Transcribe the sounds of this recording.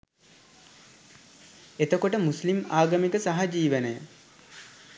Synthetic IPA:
et̪okoʈəmuslimaːɡəmikəsaɦad͡ʒiːʋənəjə

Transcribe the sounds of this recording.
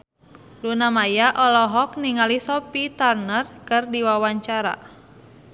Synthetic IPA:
lunamajaʔɔlɔɦɔk̚niŋalisɔpit̪arnərkɨrdiwawaɲt͡ʃaɾa̰

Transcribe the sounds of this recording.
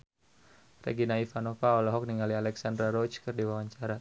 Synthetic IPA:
rɛ̰ɡinaifanɔfaɔlaɦɔk̚niŋɡalialɛksandɾaɾɔt͡ʃkɨrdiwawaɲt͡ʃaɾa

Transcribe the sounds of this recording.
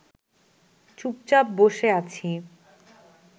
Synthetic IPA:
t͡ɕup̚t͡ɕapboʃeat͡ɕʰi

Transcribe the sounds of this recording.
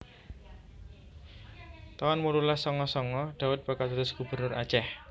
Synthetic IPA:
t̪awanmululasɔŋɔsɔŋɔɖ̪̥a̤wʊt̪̚b̥akat̪ud̪ʊsɡ̥ṳb̥ərnʊrḁt͡ʃɛh

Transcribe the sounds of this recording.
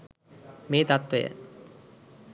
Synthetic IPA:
meːt̪at̪ʋəjə̰

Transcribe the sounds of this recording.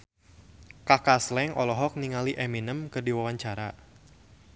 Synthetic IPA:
kakaslɛŋʔɔlɔɦɔk̚niŋaliʔɛminəmkɨrdiwawaɲt͡ʃaɾa

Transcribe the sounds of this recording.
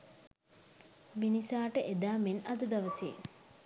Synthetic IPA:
minisaːʈəʔed̪aːmenɐd̪əd̪aʋəsḛː

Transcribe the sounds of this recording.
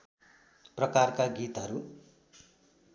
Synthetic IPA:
prʌkarkaɡit̪ɦʌɾu

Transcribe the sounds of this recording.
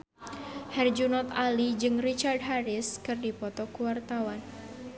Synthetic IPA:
hard͡ʒunɔt̪alid͡ʒɨŋrit͡ʃard̚ɦaɾɪskɨrdipɔt̪ɔkuwart̪awan

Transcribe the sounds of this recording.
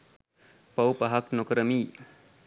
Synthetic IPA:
pɐwpaɦaknokəɾəmiː

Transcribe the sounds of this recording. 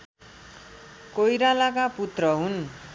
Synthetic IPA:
kojɾalakaput̪rʌɦun

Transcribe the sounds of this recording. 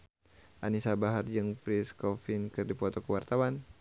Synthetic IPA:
ʔanisabaɦard͡ʒɨŋfɾiskɔfinkɨrdipɔt̪ɔkəwart̪awan

